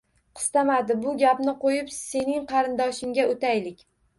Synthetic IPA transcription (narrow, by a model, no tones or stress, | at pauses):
qʰɨ̥st̪amad̪ɪbʊɡʲapnɪqojɪpse̞nɪŋqʰɑɾɪnd̪ɒʃɪŋɡʲaot̪ʰajlɪkʲ